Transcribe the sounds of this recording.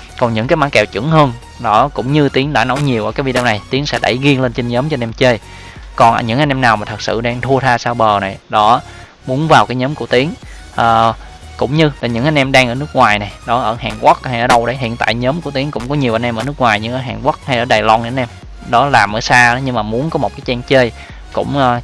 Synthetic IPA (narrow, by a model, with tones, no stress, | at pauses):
kɔ˨˩nɲɨ̰˧˥ŋkaː˨˦jmaː˧˥kɛ˨˩wt͡ɕɨ̰˧˥ŋhəː˧n | ɗɔ˨˦kʊ̰˧˥wŋ͡mɲɨ˧t̪i˨˦əŋɗa̰ː˧˩no˨˦wɲi˨˩əwʔːkːaː˨˦vi˧˩ɗɛ˧wna˨˩jt̪i˨˦əŋsɛ̰˧˥ɗə̰˧˩jɣi˧əŋle˧nt͡ɕi˧nɲəː˨˦mt͡ɕɔ˧nɛ˧mt͡ɕe˧ | kɔ˨˩nə̰ː˧˨˩ɲɨ̰˧˥ŋʔa˧nʔɛ˧mnaː˨˩wmaː˨˩t̪ʰə˨˩k̚sɨ̰˧˨ɗaː˧ŋt̪ʰu˧ət̪ʰaː˧saː˧wɓəː˨˩na˨˩jɗɔ˨˦ | mu˨˦ənvaː˨˩wkaː˨˦jɲəː˨˦mku˧˩ət̪i˨˦əŋ | ʔəː˨˩ | kʊ̰˧˥wŋ͡mɲɨ˧laː˨˩ɲɨ̰˧˥ŋʔa˧jnʔɛ˧mɗaː˧ŋʔəː˧˩nɨ˦˥ək̚ŋwaː˨˩jna˨˩jɗɔ˨˦ʔəː˧˩haː˨˩ŋkwa˦˥k̚ha˧jʔəː˧˩˦ɗə˧wɗə˨˦jɦḭ˧˨ənt̪a̰ː˧˨jɲəː˨˦mku˧˩t̪i˨˦əŋkʊ̰˧˥ŋ͡mkɔ˨˦ɲi˨˩əwʔa˧˩nʔɛ˧mʔəː˧nɨ˦˥k̚ŋwaː˨˩jɲɨ̰˧˥ŋʔəː˧˩jɦaː˨˩ŋku˦˥k̚ha˧jʔəː˧˩ɗaː˨˩lɔ˧nʔə˧˦nʔɛ˧m | ɗɔ˨˦laː˨˩mʔəː˨˦jsaː˧əː˨˦ɲɨ˧ŋmaː˨˩mu˨˦ənkɔ˨˦mo˨˩t̚kaː˨˦jt͡ɕɛ˧ŋt͡ɕe˧j | kʊ̰˧˥ŋ͡mʔəː˧˩